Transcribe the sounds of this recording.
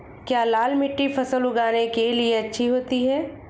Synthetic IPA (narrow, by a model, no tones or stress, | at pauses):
kjaːlaːlmɪʈːipʰɐsəlʊɡaːnekelieɐtːʃʰiɦoːt̪iɦɛː